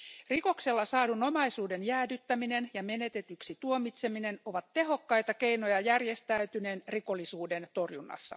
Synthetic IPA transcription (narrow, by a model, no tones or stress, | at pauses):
riko̞kse̞lːɑsɑːduno̞mɑisuːde̞njæːdyt̪ːæmine̞njɑme̞ne̞t̪e̞t̪yksit̪uomit̪se̞mine̞no̞ʋɑt̪ːe̞ɦo̞kːɑjt̪ɑke̞jno̞jɑjærjest̪æyt̪yne̞nriko̞lːisuːdent̪o̞rjunːɑ̰sːɑ̰